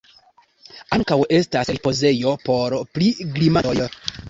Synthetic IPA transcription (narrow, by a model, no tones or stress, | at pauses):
aŋkawe̞staselpo̞ze̞jo̞po̞ɾpliɡlimaj